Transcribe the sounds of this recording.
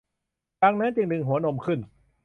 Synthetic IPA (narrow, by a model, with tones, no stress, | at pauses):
kaː˧ŋna˦˥nt͡ɕi˧ŋnɯ˧ŋɦu˩˦ɐno˧mkʰɯ˥˩n